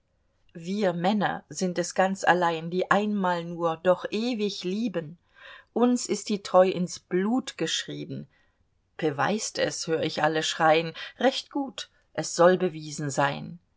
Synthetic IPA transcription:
viːɐmɛnɐ̰zɪntɛsɡ̥ant͡sa̰laɪndiːʔaɪnmaːlnuːɐdɔχʔeːvɪçliːbən | ʔʊnsɪst̚d̥iːtʁ̥ɔʏʔɪnsb̥luːtɡ̥əʃʁ̥iːbn̩m̩ | b̥əva̰ɪstɛ̰shøːəɪçʔaləʃʁ̥aɪənʁɛçtɡ̥uːt | ʔɛsz̥ɔlbəviːzn̩zaɪn

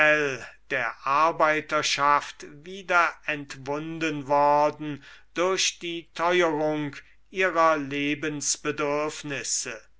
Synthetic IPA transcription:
ɛld̥eːɐʔaɐbaɪtɐʃaftviːdɐɛntvʊndənvɔɐdn̩d̥ʊɐʃd̥iːtʰɔʏəʁʊŋk | ʔiːʁɐleːbənsb̥ədʏɐfnɪsə

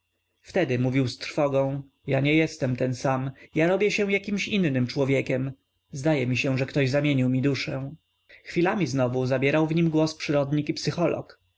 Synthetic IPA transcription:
ft̪ɛd̪ɘmuvʲiwst̪ɾfɔɡɔ̃w̃ | jaɲɛjɛst̪ɛmt̪ɛnsamjaɾɔbʲjɛɕɛ̃jakʲimɕinːɘmt͡ʂwɔvʲjɛkʲɛm | zd̪ajɛmʲiɕɛ̃ʐɛkt̪ɔʑzamʲjeɲiwmʲid̪uʂɛ̃ | xfʲilamʲiznɔvuzabʲjɛɾawvɲimɡwɔspʂɘɾɔd̪ɲikipsɘxɔlʔɔ̰k

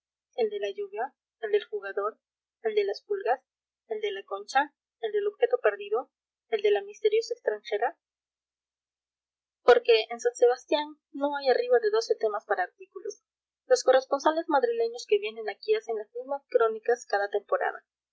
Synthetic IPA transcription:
e̞ld̪e̞laʝuβja | eld̪e̞lxuɣaðo̞ɾ | eld̪e̞laspulɣas | eld̪e̞lako̞nt͡ʃa | eld̪e̞lo̞βxe̞t̪o̞pe̞ɾðiðo̞ | eld̪e̞lamist̪e̞ɾjo̞saekst̪ɾaŋxe̞ɾa | po̞ɾke̞ːnsanseβ̞ast̪janː | o̞ajariβaðe̞ðo̞se̞t̪e̞maspaɾaːɾt̪ikulos | lo̞sko̞re̞spo̞nsale̞zmaðɾile̞ɲo̞ske̞βje̞ne̞nakiase̞nlazmizmaskɾo̞nikaskaðat̪e̞mpo̞ɾa̰ða̰

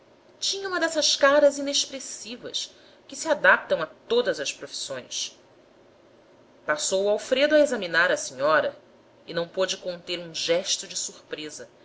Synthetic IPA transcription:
t͡ʃĩɲɐũmɐd̪ɛsɐʃkaɾɐzineʃpɾesivɐ̰ʃ | kɪsiad̪ap̚t̪ɐ̃w̃at̪od̪ɐzɐʃpɾofi̥sõj̃s | pasowuawfɾed̪ʊaezɐminaɾɐsĩɲɔɾɐ | ɪnɐ̃w̃pod͡ʒɪkõnt̪eɾũʒɛʃt̪ʊd͡ʒɪsuχpɾezɐ

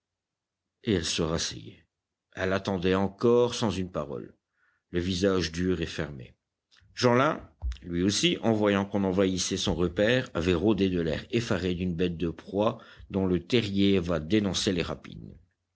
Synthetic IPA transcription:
eɛlsəʁasɛ̰jḛ | ɛlat̪ɑ̃d̪ɛɑ̃kɔʁsɑ̃zynpaʁɔ̰lː | əvizaʒd̪yʁefɛʁmḛ | ʒɑ̃lɛ̃lɥiosiʔɑ̃vwajɑ̃kɔ̃nɑ̃vaisɛsɔ̃ʁəpɛːʁa̰vɛʁod̪ed̪əlɛʁefaʁed̪ynbɛt̪̚d̪əpχwad̪ɔ̃lət̪ɛʁjevad̪enɔ̃seleʁa̰pḭn

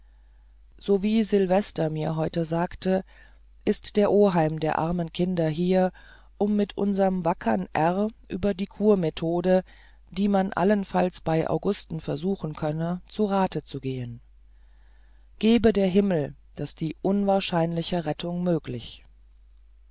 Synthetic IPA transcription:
z̥oːviːzɪlvɛstɐmiːɐɦɔʏtəzaːktə | ʔɪstd̥eːɐʔoːɦaɪmdeːɐʔa̰ɐmənkʰɪndɐɦiːɐ | ʔʊmːɪtʔʊ̰nzɐʁəmvakʰɐnʔɛʁʔy̰ːbɐdiːkʰuːɐmetʰoːdə | d̥iːmanʔa̰lənfalsb̥aɪʔa̰ʊɡʊstn̩fɛɐzuːxn̩kʰœnət͡suʁaːtət͡suɡeːən | ɡ̥eːbədeːɐɦɪml̩ | d̥asd̥iːʔʊnvaːɐʃaɪnlɪçəʁɛtʰʊŋmøːklɪç

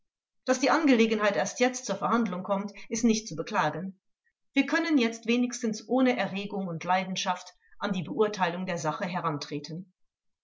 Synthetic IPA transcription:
d̥asd̥iːʔanɡəleːɡən̩haɪtʔeːɐstjɛt͡stt͡suːɐfɛɐhandlʊŋkʰɔmtʔɪstnɪçt̚t͡subəkl̥aːɡən | v̥iːɐkʰœnənjɛt͡stv̥eːnɪçstən̩sʔoːnəʔɛɐʁeːɡʊŋʊntlaɪdn̩ʃaft | ʔandiːbəʔʊɐtʰaɪlʊŋdeːɐzaχəɦɛʁ̞antʁ̥eːtʰən

